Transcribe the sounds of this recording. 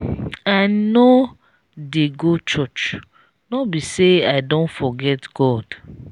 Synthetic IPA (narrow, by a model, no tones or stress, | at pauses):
ano | deɡot͡ʃɔt͡ʃ | nɔbiseaɪdõntfɔɡɛtɡ̥ɔd̥